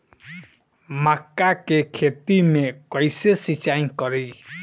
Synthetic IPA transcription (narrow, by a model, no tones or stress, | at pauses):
makːakekʰet̪imekɔjsesit͡ʃaĩkɔɾi